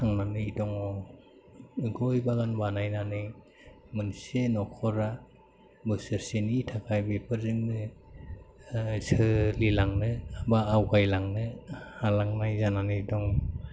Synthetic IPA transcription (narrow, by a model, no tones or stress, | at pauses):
aŋnanɯidɔŋɔ | ɡɔjbaɡanbanajnanɯ | mɯnsenɔkʰɔɾa | bɯsɯɾsenitʰakʰajbepʰɯɾzɯŋnɯ | sɯlilaŋnɯabaːwkajlaŋnɯhalaŋnajzananɯidɔŋ